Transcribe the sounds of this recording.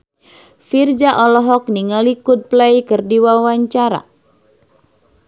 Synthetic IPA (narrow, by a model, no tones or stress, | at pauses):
fird͡ʒaʔɔlɔɦɔk̚niŋalikud̚plaikɨrdiwawaɲt͡ʃaɾa̰